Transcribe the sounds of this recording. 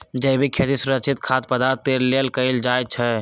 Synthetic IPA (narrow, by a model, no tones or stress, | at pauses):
d͡ʒəjbʱikʰjet̪isuɾəkt͡ʃʰit̪kʰat̪pəd̪aɾt̪ːeɾlelkəjld͡ʒaj̚t͡ʃʰɛ